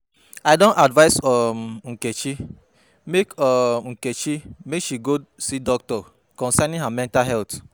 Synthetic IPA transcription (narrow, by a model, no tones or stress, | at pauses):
ajdõnadvaɪsɔmŋ̩ket͡ʃi | mekɔŋ̩ket͡ʃimekʃiɡosidɔk̚tɔ | kɔ̃nsɛnĩnɦamɛ̃ntaɦɛlt